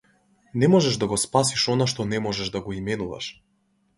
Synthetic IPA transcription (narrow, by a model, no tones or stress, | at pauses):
nɛmɔʒɛʒd̪aɡɔspasiʃɔnaʃt̪ɔnɛmɔʒɛʒd̪aɡɔimɛnuva̰ʃ